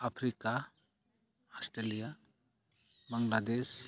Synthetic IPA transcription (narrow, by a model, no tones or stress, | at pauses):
apʰɾika | ɔsʈelija | baŋlad̪es